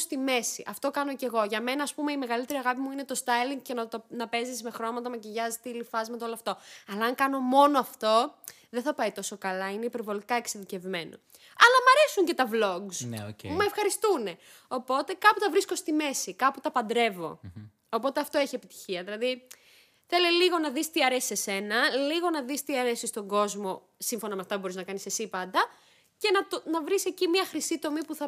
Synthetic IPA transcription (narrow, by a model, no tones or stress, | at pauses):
st̪ime̞sḭʔɐft̪o̞kɐno̞ce̞ɣo̞ʝɐme̞nɐːspumeime̞ɣɐlit̪e̞ɾiɐɣɐpimuine̞t̪o̞st̪ɐjliŋɡcenɐt̪onɐpe̞zizme̞xɾo̞mɐt̪ɐmɐciʝɐzit̪ilifɐzmɐt̪ɐoloɐft̪oɐlɐːŋkɐno̞mo̞noɐft̪o̞ | ðeθɐpɐit̪o̞so̞kɐlɐineipeɾvo̞likɐe̞kseðice̞vme̞no̰ | ɐlɐmɐɾe̞suɲce̞t̪ɐvlo̞ɡznmɐefxɐɾist̪une̞ | o̞po̞t̪e̞kɐput̪ɐvɾisko̞st̪ime̞sikɐput̪ɐpɐnd̪ɾe̞vo̞̰ː | po̞t̪e̞ɐft̪o̞e̞çie̞pit̪i̥çiɐðilɐði | θe̞liliɣo̞nɐðist̪iɐɾe̞si̥sese̞nɐliɣo̞nɐðist̪iɐɾe̞sist̪o̞ŋɡo̞zmo̞ | siɱfo̞nɐmeɐft̪ɐpubo̞ɾiznɐkɐnisesipɐnd̪ɐ | ce̞nɐt̪onɐvɾise̞cimiɐxɾisit̪o̞mipuθɐ